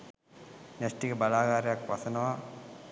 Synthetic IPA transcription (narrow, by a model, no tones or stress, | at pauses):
nesʈikəbalaːɡaːɾɐjakʋasənəʋa